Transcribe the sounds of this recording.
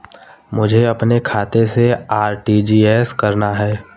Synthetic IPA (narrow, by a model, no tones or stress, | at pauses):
mʊd͡ʒʱeɐpnekʰaːt̪eseaːɾʈiːd͡ʒiːɛːskɐɾnaɦɛː